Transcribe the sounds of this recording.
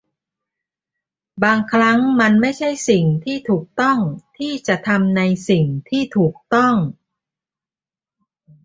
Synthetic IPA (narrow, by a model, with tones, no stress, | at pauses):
baː˧ŋkʰɾa˦˥ŋma˧nma˥˩jt͡ɕʰa˥˩jsi˨˩ŋt̪ʰiː˥˩t̪ʰuː˨˩k̚t̪ɔ˥˩ŋt̪ʰiː˥˩t͡ɕa˨˩t̪ʰa˧mna˧jsi˨˩ŋt̪ʰiː˥˩t̪ʰuː˨˩k̚t̪ɔ˥˩ŋ